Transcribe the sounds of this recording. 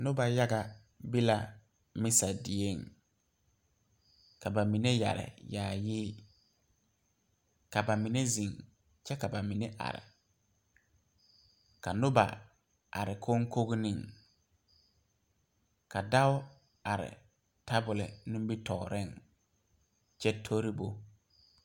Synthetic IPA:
nʊ˦ba˨ja˦ɡa˨ | bi˦la˨ | mɪ˦sa˨dɪ˨e˦˨ŋ | ka˨ba˨mi˨ne˦ja̰˨ɾɪ̰˨jaː˨jɪː˦ | ka˨ba˨mi˨ne˦zi˨ŋ | t͡ʃɛ˦ka˨ba˨mi˨ne˦ʔa̰˨ɾɪ̰˨ | ka˨nʊ˦ba̰˨ | a˨ɾɪ˨kʰo˦ŋ˦ko˦ɣnɪ̃˦˨ŋ | ka˨da˦ʊ˦ | a˨ɾɪ̰˨ | tʰa˦bʊ˨lɪ̰˨nʊ̃˦m˦bi˦tʰɔː˨ɾɪ˦˨ŋ | t͡ʃɛ˦tʰo˦ɾi˦bo˦

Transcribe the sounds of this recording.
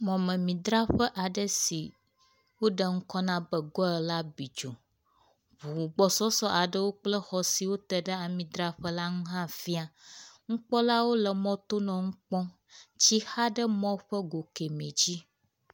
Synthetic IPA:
mɔ̃˨mə̃˨mĩ˨d̪ɾa˦ɸə˦ʔa˨ɖə˦si˨ | wo˦ɖə˦˨ŋ̩˦kɔ˦nã˦bə˨ɡɔ˦ə˨la˦bi˨d͡ʒo˨ | ɸu˨u˨ɡ͡bɔ˨sɔ˦sɔ˦ʔa˨ɖə˦wo˦k͡plə˦xɔ˨si˨wo˦t̪ə˨ɖə˦a˨mĩ˨d̪ɾa˦ɸə˦la˦ŋũ˦ɦã˦fi˦a˨ŋ̩˦k͡pɔ˦la˦wo˦lə˨mɔ̃˦t̪o˦nɔ̃˨ŋ̩˦k͡pɔ̃˦ | t͡ɕi˦ha˦ɖə˦mɔ̃˦ɸə˦ɡo˨ke˨mẽ˨d͡ʑi˦

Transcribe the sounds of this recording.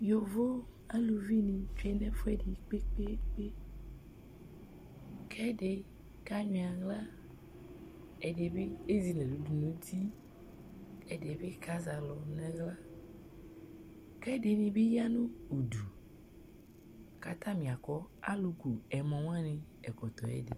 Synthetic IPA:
jo˨vo˦ | a˦lu˨vi˦nĩ˨fɛ˦nɛ̃˦fu˦ɛ˦de˨k͡pe˦k͡pe˦k͡pe˦ | kʰɛ˦de˨ | ka˦ɲĩ˨a˨ɣla˦ | ɛ˨de˨be˦e˦zi˨nẽ˨lu˨du˨nũ˦ti˦ | ɛ˨de˨be˦ka˦za˨lɔ˨nɛ̃˦ɣla˦ | kɛ˦de˨nĩ˨be˦ja˦nũ˦u˨du˨ | ka˨t̪ã˦mĩ˨a˨kɔ˦a̰˦lu˨ɡu˨ɛ˨mɔ̃˨w̃ã˦nẽ˨ | ɛ˨kɔ˨t̪ɔ˨ɛ̰˦dḛ˨

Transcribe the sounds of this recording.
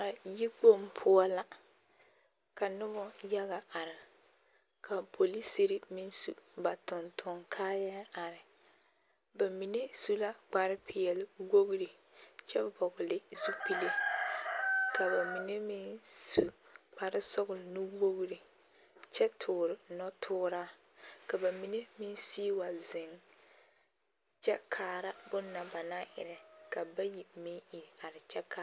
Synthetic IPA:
a˨ji˦k͡po˦mpʰʊ˦ɔ˦la˦ | ka˨nʊ˦bɔ˦ja˦ɣa˨ʔa˨ɾɪ˨ | kʰa˨po˨li˦si˦ɾi˦mɪ˦nsṵ˨ba˨tʊ˨ntʰʊ˨ŋkʰaː˦ja˦a˨ɾɪ˨ | ba˨mi˨ne˦su˦la˦k͡pa˨ɾɪ˦pʰɪ˨jɛ˨lɪ˨wo˦ɣɾi˨ | t͡ʃɛ˦˨bɔ˨ɡʊ˨lɪ˦su˦pi˦le˦ | ka˨ba˨mi˨ne˦mɪ˦nsu˨k͡pa˨ɾɪ˦sɔ˦ɣʊ˨lnu˦wo˦ɣɾi˨ | t͡ʃɛ˦tʰʊː˨ɾɪ˨nɔ˦tʰʊː˦ɾaː˦ | ka˨ba˨mi˨ne˦mɪ˦n˦siː˦wa˨zɪ˨ŋ | t͡ʃɛ˦kʰaː˨ɾa˦bʊ˦nːa˨ba˨na˦ʔɪ̰˨ɾɪ˨ka˨ba˦ji˨mɪ˦i˨ɾa˨ɾɪ˨t͡ʃɛ˦ka˦

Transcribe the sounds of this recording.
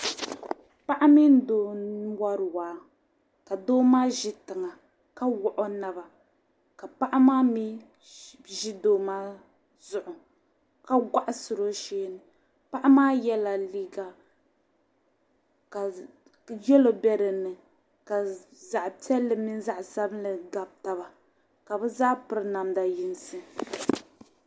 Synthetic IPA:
pa˦ʔa˦mi˦n˦doː˦n˦wa˦ɾɨ˨waː˨˦ | ka˨doː˦maː˦ʒɪ˦tɨ˨ŋa˨ | ka˦wʊ˦ʔɔ˦na˨ba˨ | ka˨pa˦ʔa˦maː˦mi˦ | ʒi˦doː˨maː˦ | zʊ˨ʔʊ˨ | ka˦ɡʷa˦ʔa˦sʊ˨ɾo˦ʃeː˦nɨ˨ | pa˦ʔa˦maː˦jɛ˦la˨liː˦ɡa˨ | ka˨ | jɛ˦lo˨bɛ˦ɾɨ˨nːɨ˨ | ka˨za˨ʔtɛ˦lːɨ˨mi˦n˦za˦˨ʔsa˦bɨ˦n˦lɨ˨ɡa˨b̚ta˨βa˨ | ka˨bɨ˦zaː˦pɨ˦ɾɨ˦na˨mda˨ji˨˦nsɨ˦

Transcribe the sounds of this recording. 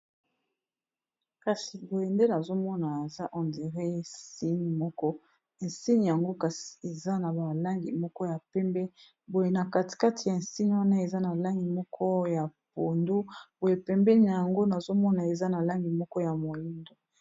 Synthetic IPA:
ka˨si˨bo˨je˨nde˦na˨zo˦mɔ˦na˨e˨za˦ʔɔ˨ndi˨ʁe˦si˦ni˨mɔ˦kɔ˦ | e˨nsi˦ni˨ja˨ŋɡo˦ka˨si̥˨e˨za˦na˨ba˨la˦ŋɡi˨mɔ˦kɔ˦ja˨pɛ˦mbɛ˦ | bo˨je˨na˨ka˨ti̥˨ka˦ti˨ja˨si˦ni˨wa˦na˦e˨za˦na˨la˦ŋɡi˨mɔ˦kʰɔ˦ja˨p̚o˨ndu˦bo˨je˨pɛ˨mbɛ˦ni˨n˨ja˨ŋɡo˦na˨zo˦mɔ˦na˨e˨za˦na˨la˦ŋɡi˨mɔ˦kɔ˦ja˨mo˨ji˦ndo˨

